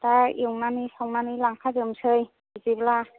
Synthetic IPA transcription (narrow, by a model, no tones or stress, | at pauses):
taiwŋnanisawŋnanilaŋkʰazɯmsɯj | izibla